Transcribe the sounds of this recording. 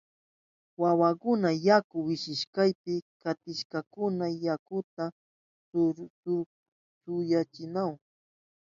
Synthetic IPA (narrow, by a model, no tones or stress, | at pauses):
wawakʊnajakʊwɪʃɪʃkajpɪkat̪ɪʃkakʊnajakʊt̪a | sʊjat͡ʃɪnaw